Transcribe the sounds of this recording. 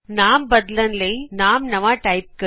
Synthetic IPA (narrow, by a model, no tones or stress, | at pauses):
naːmbɐd̪lɐnlɐɪnaːmnɐʋaːʈɐɪp̚kɐ